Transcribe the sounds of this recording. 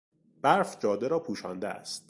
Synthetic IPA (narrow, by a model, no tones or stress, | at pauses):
b̥æɾfd͡ʒɒːd̪eɾɒːpʰuːʃɒ̰ːnd̪eæ̰st̪̚